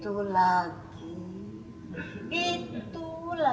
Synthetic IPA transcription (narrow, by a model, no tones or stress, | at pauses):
t̪ulaɡ | i | it̪ula